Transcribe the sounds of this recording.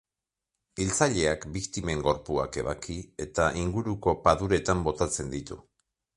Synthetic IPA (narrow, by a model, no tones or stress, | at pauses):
ilt͡saʎe̞akbikt̪ime̞ŋɡo̞ɾpua̰ke̞βakie̞t̪aʔiŋɡuɾuko̞paðuɾe̞t̪ambo̞t̪at͡se̞nd̪it̪ṵ